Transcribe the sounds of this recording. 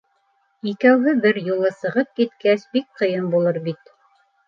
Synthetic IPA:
ikæwɦɘbɘɾjulˠɤsɤ̆ʁɤp̚kit̪kæsbik̚qɤ̆jɤmbulˠɤɾbit̪

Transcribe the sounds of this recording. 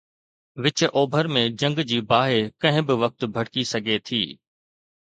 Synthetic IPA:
ʋɪt͡ɕʔoːbʱəɾmẽd͡ʑɐ̃ŋɡd͡ʑiːbaːɦekɐ̃ɦɪ̃bɪʋɐk̚t̪bʱɐɽkisɐɡʱet̪ʰḭː

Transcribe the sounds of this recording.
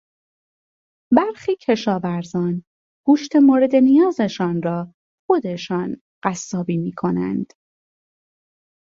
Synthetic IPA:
bæɾxiːcʰe̞ʃɒːvæɾzɒːn | ɡ̥uːʃt̪ʰe̞moːɾe̞d̪e̞nijɒːze̞ʃɒːnrɒː | xo̞d̪e̞ʃɒːn | ɢ̥æsːɒːbiːmiːkʰo̞næ̰nd̪̥

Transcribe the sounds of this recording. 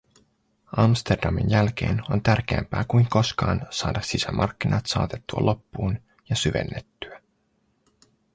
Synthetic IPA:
ɑmst̪e̞rdɑminjælk̟e̞̰ːno̞nt̪ærk̟eæmpæːkujŋko̞skɑːnsɑːdɑsisæmʔɑrkːinʔɑt̪sɑ̰ːt̪e̞t̪ːuɑ̰lʔo̞pːuːn | jɑsyʋe̞̰nːe̞t̪ːyæ

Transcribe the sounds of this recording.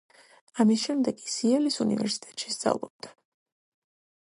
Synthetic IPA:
amisʃɛmd̪ɛkʼisiɛlisunḭvɛ̰ɾsi̥t̪ʼɛ̥t̪ʃisd̪za̰vlˠɔb̚d̪a

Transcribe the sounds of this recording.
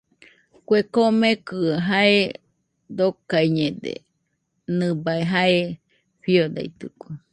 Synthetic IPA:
kwekomekɨaɦae | d̪okaiɲed̪ḛ | nɨbaeɦae | ɸiod̪a̰jt̪ɨ̰kʷe

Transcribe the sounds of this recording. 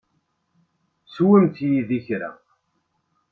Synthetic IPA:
swəmt̪jiðiçɾæ̰

